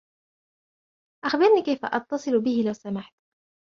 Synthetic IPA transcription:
ʔaxbɪɾniːkajfa̰ʔɑt̪ːɑsˤɨlbɪhɪlawsamaħt̪

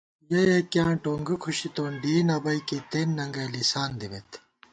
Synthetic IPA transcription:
jɐjekjãːʈoːŋɡɐkʰuɕit̪oːnɖiːnɐbɐikit̪enːɐŋɡɐlisaːnd̪iʋet̪

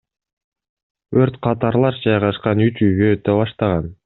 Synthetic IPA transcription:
øɾt̪qʰɑt̪ɑɾlˠɑɾd͡ʒɑjʁɑʃqɑnyt͡ʃyvøːt̪ːøbɑʃt̪ɑʁɑn

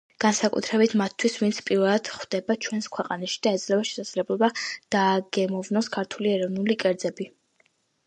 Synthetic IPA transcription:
ɡ̥ansakʼṵt̪ʰɾɛbit̪ʰmat̪ʰːwisvint̪sʰpʼiɾvɛlˠad̪̥χd̪̥ɛbat͡ʃʰwɛnskʰwɛqʼanaʃi̥d̪̥aɛd̪zlɛvaʃɛ̥sad̪z̥lɛblˠɔbad̪̥aːɡɛmɔvnɔskʰaɾt̪ʰuliɛɾɔvnulikʼɛɾd̪zɛbi

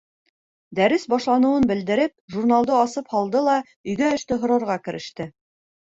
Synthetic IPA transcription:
d̪æɾɘsbɑʃlˠɑnɤ̆wɤnbɘ̆ld̪ɘ̆ɾɘp̚ʒurnalˠd̪ɤɑsɤphɑlˠd̪ɤlˠɑ | ɵ̆jɡæɵ̆ʃt̪ɘɦŏɾɑɾʁɑkɘ̆ɾɘ̆ʃt̪ɘ

